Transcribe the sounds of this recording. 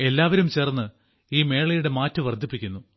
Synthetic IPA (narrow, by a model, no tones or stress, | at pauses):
e̞lːaːʋɐɾumt͡ɕerɐnːɨ | iːme̞ːɭɐjuɽe̞maːtːɨʋɐrd̪ʱːipːikʲːunːu